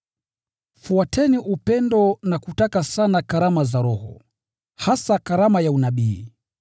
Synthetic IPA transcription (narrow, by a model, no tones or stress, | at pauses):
fuatʰɛniʔupɛndɔnakutakasanakaɾamazaɾɔhɔ̰ | hasakaɾamajaunaɓiː